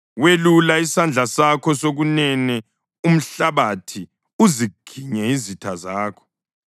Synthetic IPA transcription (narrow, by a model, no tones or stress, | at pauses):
welulaisand͡ɮʱasakʰɔsoɣunɛnɛ | um̩ɬaβatʰi | uziɡ̥ʱiɲɛizitʰazaːkʰɔ̥